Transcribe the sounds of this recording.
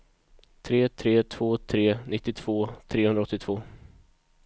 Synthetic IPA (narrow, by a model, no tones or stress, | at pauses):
t̪ʰɾeːt̪ʰɾeːt̪ʰv̥oːt̪ʰɾeːnɪt̪ːɪt̪ʰv̥oːt̪ʰɾeːhɵnɾaɔt̪ːɪt̪ʰv̥oː